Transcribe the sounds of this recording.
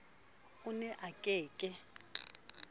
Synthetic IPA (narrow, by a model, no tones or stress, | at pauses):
ʊnɛʔakʼɛːkʼɪ